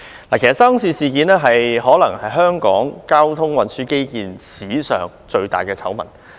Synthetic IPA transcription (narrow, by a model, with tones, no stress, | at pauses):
laː˨kʰe˨˩sɐ˨tsa˥msiː˧siː˨˧kiː˨˧nɛː˥ɦɐ˨jɦɔː˨˥lɐ˨˩ŋhɐ˨jɦœː˥ŋkɔ̰ː˨˥ŋkaː˥wt̪ʰʊ˥ŋwɐ˨nsyː˨˥ke˥jkiː˨nsiː˨˥sœ̰ː˨ŋt͡ʃɵ˧ɥt̪a̰ː˨˩jkɛː˧t͡sʰɐ˨˥wmɐ˨˩n